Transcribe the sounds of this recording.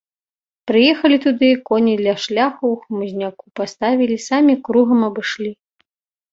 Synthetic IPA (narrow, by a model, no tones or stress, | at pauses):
pɾɨjɛxɐlʲit̪ud̪ɨkɔnʲid̪lʲɐʂlʲaxɐwxmuzʲnʲakupast̪avʲilʲisamʲikɾuɣɐmɐbɨʂlʲi